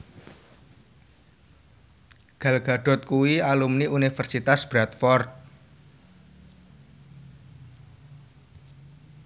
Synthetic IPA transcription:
ɡ̥a̤lɡ̥a̤ɖ̥ɔ̤t̪̚kuwialumniunifərsit̪asb̥ɾat̪̚fɔrt̪̚

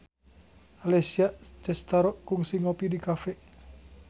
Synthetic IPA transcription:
alesiaʔt͡ʃɛst̪aɾɔʔkuŋsiŋopidikafɛʔ

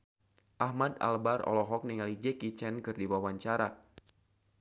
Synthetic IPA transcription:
ʔahmada̰lbarɔ̰lɔɦɔk̚niŋalid͡ʒɛkit͡ʃɛnkɨrdiwawaɲt͡ʃaɾa

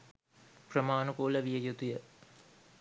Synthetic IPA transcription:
prəmaːnukuːləʋijəjut̪ujə

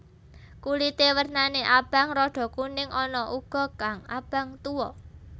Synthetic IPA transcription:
kulit̪ewərnaneʔab̥a̤ŋɾɔɖ̥ɔ̤kunɪŋʔɔnɔʔuɡ̥ɔ̤kaŋab̥a̤ŋt̪uwɔ

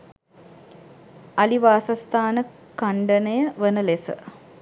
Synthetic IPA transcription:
aliʋaːsast̪aːnə | kaɳɖənəjəʋənəlesə̰

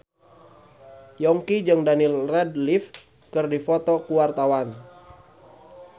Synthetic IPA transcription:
jɔŋkid͡ʒɨŋdanilrɛdlif | kɨrdifɔt̪ɔkuwart̪awan

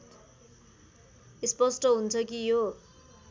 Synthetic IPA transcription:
ispʌsʈʌɦunt͡sʰʌkijo

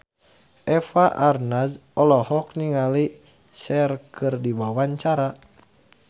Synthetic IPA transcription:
ʔɛfaʔarnasɔlɔhɔkniŋali | sɛrkɨrdibawaɲt͡ʃaɾa

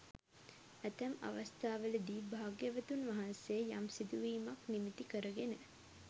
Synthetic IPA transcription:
æt̪ɐmɐ̰ʋɐst̪ʰaːʋələd̪iːbʱaːɡjɐʋɐt̪unʋɐɦɐnseːjamsid̪uʋiːmɐknimit̪ikəɾəɡenə

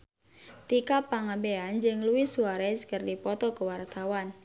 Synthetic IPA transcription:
t̪ikapaŋabeand͡ʒɨŋluwisuaɾɛskərdipɔt̪ɔkəwart̪awan

